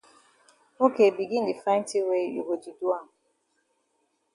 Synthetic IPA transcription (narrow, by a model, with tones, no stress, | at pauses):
o˦ke˨bi˨ɡi˦n̩˦di˨fã˦n˦ti˦we˦ṵ˨ɡo˨d͡ʒi˨du˦a˦˨